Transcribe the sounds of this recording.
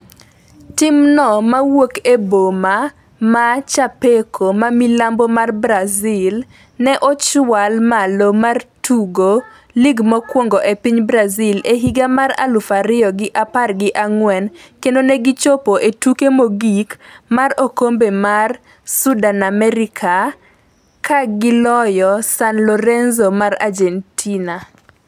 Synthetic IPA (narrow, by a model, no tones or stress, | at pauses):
tɪmnɔmawokeboma | mat͡ʃapekʰomamilambomarbɾazil | nɛʔɔt͡ʃwalmalomartʰuɡo | liɡmɔkwɔŋɡɔʔepiɲbɾazileɦiɡamaɾa̰lufaɾɪɔɡɪʔaparɡɪʔaŋwɛnkendonɛɡɪt͡ʃopoʔetukemoɡikmarokombemar | sudanamɛɾɪkʰa | kʰaɡɪlɔjɔsanlɔɾɛnzomaɾa̰d͡ʒentʰina